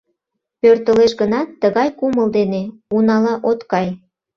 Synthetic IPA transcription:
pørt̪əleʃɡənɑt̪ːəɣɑjkuməld̪eneunɑlɑʔot̪kɑj

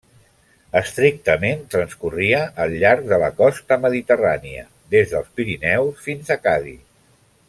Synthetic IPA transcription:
əst̪ɾik̚t̪əment̪ɾənskuriəʔːlˠʎaɾk̚d̪ələkɔst̪əməðit̪əraniə̰ | d̪ezðəlˠspiɾinɛwsfinzəkaðḭ

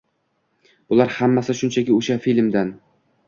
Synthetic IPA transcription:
b̥ʊlˠaɾhamːasɪʃʊnt͡ʃʰakʲɪoʃafilʲmd̪an

